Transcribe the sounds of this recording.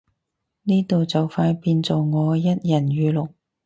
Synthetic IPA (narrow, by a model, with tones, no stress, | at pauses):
niː˥t̪o˨wt͡sɐ˨wfaː˧npiː˧nt͡so˨wŋɔː˨˧jɐ˥t̚jɐ˨˩nɥyː˨˧lʊ˨˩k̚